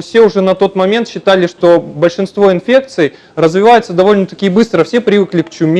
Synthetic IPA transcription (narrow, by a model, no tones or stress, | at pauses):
fsʲe̞ʊʐɛnɐt̪o̞t̪mɐmʲe̞nt̪ɕːɪt̪alʲɪʂt̪o̞bəlʲʂɨnst̪vo̞ɪnfʲe̞k̚t̪sɨj | rəzvʲɪvajʊt̪səd̪ɐvo̞lʲnət̪ɐkʲijəbɨst̪ɾəfsʲe̞pɾʲɪvɨklʲɪkt͡ɕʊmʲ